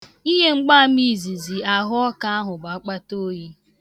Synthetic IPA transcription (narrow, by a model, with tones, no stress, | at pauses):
i˦ɦe˦ŋ͡m̩˦ɡ͡ba˦a˦mi˦˨zi˨zi˨a˨ɦʊ˦ɔ˦ka˦a˦ɦʊ˨ɡ͡ba˨˦k͡pa˦to˦ji˦